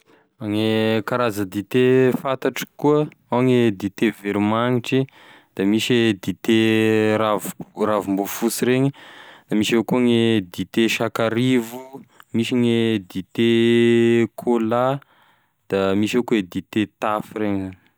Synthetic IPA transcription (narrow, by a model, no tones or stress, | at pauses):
aŋekaɾazəd̪it̪efat̪aʈ͡ʂi̥kuə | aŋed̪it̪eveɾimaŋiʈ͡ʂi | d̪̥amiʃed̪it̪eɾavravumbufusiɾeɲid̪̥amiʃekuŋed̪it̪eʃakaɾivumiʃiŋed̪it̪e | kʰola | d̪̥amiʃekued̪it̪et̪afireɲizan